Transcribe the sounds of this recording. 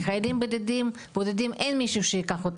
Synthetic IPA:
χajlimbod̪ed̪im | b̥od̪ed̪imʔenmiʃuːʃejikaχot̪

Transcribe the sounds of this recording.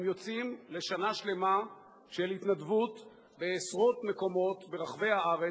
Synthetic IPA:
mjo̞t͡simle̞ʃanaʃle̞ma | ʃelhit̪nadvut̪ | beːsʁo̞t̪me̞ko̞mo̞t̪be̞ʁaχve̞jaaʁe

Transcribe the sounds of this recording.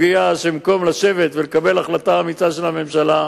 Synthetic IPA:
ɡiaʃemko̞mlaʃe̞ve̞t̪velekabe̞laχlataamit͡saʃe̞lhame̞mʃala

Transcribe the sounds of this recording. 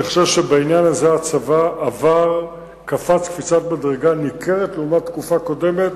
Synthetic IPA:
eχʃevʃebainjanazeat͡savaʔːvaʁ | kafat͡skfit͡satmadʁeɡanikʰe̞ʁetleumat̪ːkufako̞de̞me̞t

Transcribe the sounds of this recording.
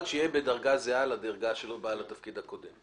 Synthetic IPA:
tʃejebedɐʁɡazealad̪aʁɡaʃelobalat̪afkid̪hako̞d̪em

